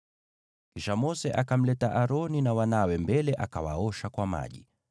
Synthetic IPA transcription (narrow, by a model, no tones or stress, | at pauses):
kiʃamɔsɛʔakam̩lɛtaʔaɾɔninawanawɛmbɛlɛʔakawa̰ɔʃakwama̰ʄi